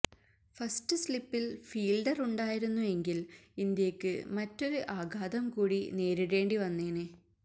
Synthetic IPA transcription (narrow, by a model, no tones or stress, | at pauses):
fɐsʈɨslipːilfiːlɖɐruɳɖaːjiɾunːue̞ŋɡilind̪jɐkːɨ̰mɐtːo̞ɾuʔaːɡʱaːd̪ɐmkuːɽine̞ːɾiɾe̞ːɳɖiʋɐnːeːnɨ